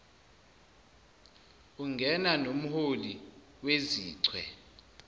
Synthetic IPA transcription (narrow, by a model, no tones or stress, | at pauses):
uŋɡʱɛnanom̩holi | weziːǀʰwɛ